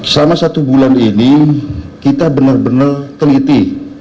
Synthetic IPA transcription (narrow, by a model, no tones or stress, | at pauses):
səlamasat̪ubulanini | kit̪abənərbənərt̪əlit̪i